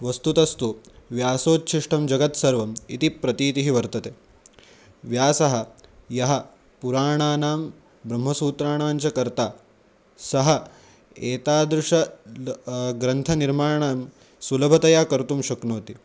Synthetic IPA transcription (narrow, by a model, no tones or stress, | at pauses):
ʋɐst̪ut̪ɐst̪uʋjaːsoːt̪̚t͡ʃʰiʂʈɐmd͡ʒɐɡɐt̪sɐɾʋɐmit̪ipɾɐt̪iːt̪iɦiʋɐɾt̪ɐt̪eː | ʋjaːsɐɦɐ̆jɐɦɐ | puɾaːɳaːnaːm | bɾɐmɦɐsuːt̪ɾaːɳaːɲt͡ʃɐkɐɾt̪aː | sɐɦɐ | eːt̪aːd̪ɾuʂɐ | ɡɾɐnt̪ʰɐniɾmaːɳaːm | sulɐbʱɐt̪ɐjaːkɐɾt̪umʃɐknoːt̪i